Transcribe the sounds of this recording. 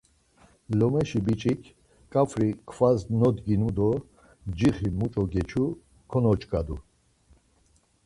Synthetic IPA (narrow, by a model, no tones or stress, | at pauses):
lɔmɛʃibit͡ʃʼikʰ | kʼafʰɾikʰvaznɔd̪ɡinud̪ɔ | d͡ʒiχimut͡ʃʼɔɡɛt͡ʃʰu | kʰɔnɔt͡ʃʼkʼad̪u